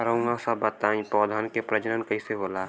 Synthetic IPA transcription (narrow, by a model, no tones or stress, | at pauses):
ɾõːŋɡãsabət̪aːĩpɔːd̪ʱankepɾəd͡ʒəɾənkɐiseboːlaː